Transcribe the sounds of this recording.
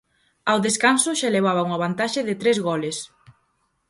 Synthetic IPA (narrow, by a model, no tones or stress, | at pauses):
awðeskansʊʃaeleβ̞aβauŋaβ̞ant̪aʃɪðɪt̪ɾezɣɔles